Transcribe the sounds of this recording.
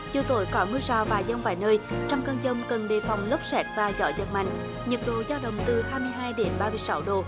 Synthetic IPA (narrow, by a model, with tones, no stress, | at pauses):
zɨ˨˩t̪o̰˧˩jkɔ˨˦mɨ˧zɔ˧˩vaː˨˩zə˧wŋ͡mvaː˧˨˩jnəː˧jt͡ɕɔ˧wŋ͡mkəː˧nzə˧wŋ͡mkə˨˩nɗḛ˧˨˩fa˨˩wŋ͡mlə˦˥p̚sɛ˦˥t̚vaː˨˩zɔ̰˧˦zə̰˨˩t̚ma̰˧˨jŋ̟ | ɲə˨˩t̚ɗo̰˧˨zaː˧wɗə̰˧˨wŋ͡mt̪ɨ˨˩haː˧jmɨ˧əjɦaː˧jɗe˨˦nɓaː˧mɨ˧əjsa˧˦wɗo˨˩